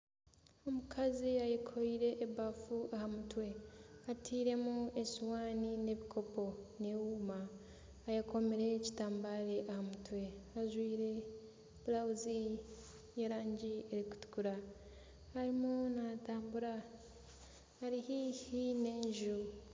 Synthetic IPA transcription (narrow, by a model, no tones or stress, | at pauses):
omukʰaziajekʰoɾiɾe̞ʔːbafuahamutwe̞atʰiːɾe̞muesiwaːnine̞βikʰo̞po̞ne̞wuːmaː | jako̞meɾe̞ci̥taːmbaːɾe̞ʔahamutwe̞aʒwiːɾe̞ | βulawuzi | jeɾaːɲɟieɾiku̥tu̥kuɾa | haɾimunataːmbuɾa | haɾihihine̞ːɲʒu